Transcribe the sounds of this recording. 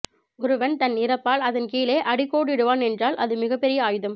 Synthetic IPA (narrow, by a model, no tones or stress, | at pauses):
ɔɾɯʋɐnt̪ɐnɪɾɐpːaːlɐðɐnkiːleːʔɐɽɪkːoːɽɪɽɯʋaːnɛndraːlʔɐðɯmɪɣɐpːɛɾɪjɐaːjɯðɐm